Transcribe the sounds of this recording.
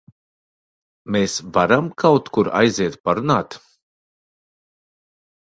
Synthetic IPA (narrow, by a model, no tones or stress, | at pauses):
meːsvaɾamkʰawt̪kuɾa̰jziɛt̪̚paɾunaːt̪